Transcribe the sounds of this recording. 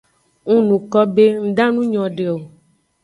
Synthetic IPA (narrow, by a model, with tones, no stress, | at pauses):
ŋũ˦nũ˨kɔ˦be˦ŋ̩˦d̪ã˦nũ˦ɲɔ̃˨ɖe˨o˨